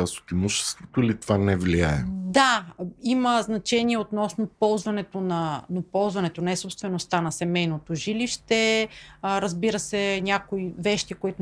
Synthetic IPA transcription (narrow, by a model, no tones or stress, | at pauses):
aso̥t̪imuʃɛ̥st̪vot̪oilit̪ovanɛvliaɛd̪aiməznɐt͡ʃɛniɛot̪nɔsnopɔlˠzvɐnɛt̪onɐnopɔlˠzvɐnɛt̪onɛsopst̪vɛnost̪anɐsɛmɛjnot̪oʒiliʃt̪ɛ | ɾɐzbiɾəsɛnʲakoivɛʃt̪ikoit̪o